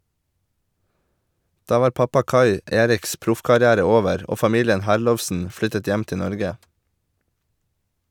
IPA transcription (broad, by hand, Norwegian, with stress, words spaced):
ˈdɑː ˈʋɑːɾ ˈpɑpɑ ˈkɑɪ ˈeːɾɪks ˈpɾʊfkɑɾɪˌæːɾə ˈoːʋəɾ ˈoː fɑˈmiːlɪən ˈhæɾˌlɔʋsn̩ ˈflʏtət ˈjɛm ˈtɪ ˈnɔɾɡə